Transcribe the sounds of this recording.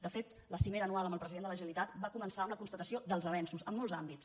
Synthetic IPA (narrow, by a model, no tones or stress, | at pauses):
d̪əfet̪ | ləsimeɾəːnualəmbəlˠpɾəziðend̪ələʒəəlit̪at̪bakumənsaəmləkunst̪ət̪əsiod̪əlˠzəβɛnsuzəmːɔlˠzambit͡s